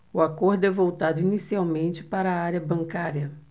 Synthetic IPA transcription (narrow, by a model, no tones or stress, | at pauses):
ʊakoɾd̪ʊɛvowt̪ad̪ʊinisiawmẽnt͡ʃɪ̥paɾɐaɾjɐbɐ̃ŋkaɾjɐ